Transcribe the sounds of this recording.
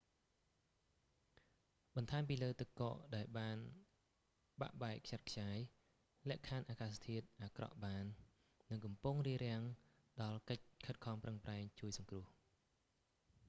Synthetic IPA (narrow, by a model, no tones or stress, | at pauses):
ɓɑnt̪ʰaɛmp̬iːləːt̪ɨkːo̰ːʔɗaɛlɓaːn | ɓa̰ʔɓaɛkʰt͡ɕat̪̚kʰjaːj | lɛ̆əʔkʰanʔaːkaːst̪ʰiət̪̚ʔaːkrɑ̰ʔɓaːnː | ɨŋkɑmpuŋriəɾɛ̆əŋ | ɗɑlkəc̚kʰət̪̚kʰɑːmprəŋpraɛŋt͡ɕuəjsɑŋkrʊ̆əh